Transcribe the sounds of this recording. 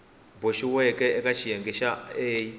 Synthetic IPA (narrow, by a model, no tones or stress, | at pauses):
boʃiwɛkʼɛɛkʼaʃʰijaŋɡɛʃaeːji